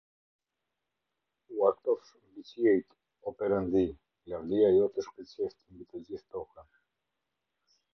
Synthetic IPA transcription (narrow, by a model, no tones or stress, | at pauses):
uat̪ɔfʃmbit͡ɕjɛjt̪ | ɔpɛɾənd̪i | lavd̪iajɔt̪əʃkət͡ɕɛft̪mbit̪əd͡ʑiθt̪ɔha